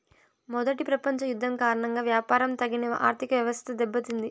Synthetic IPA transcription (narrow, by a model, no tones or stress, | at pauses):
mɔd̪ɐʈipɾɐpɐɲt͡ʃɐjud̪ʱːɐmkaːɾɐɳɐŋɡaːʋjaːpaːɾɐmt̪ɐɡinɐʔa̰ːɾt̪ʰikɐʋjɐʋɐst̪t̪ɐd̪ɛbːɐt̪und̪i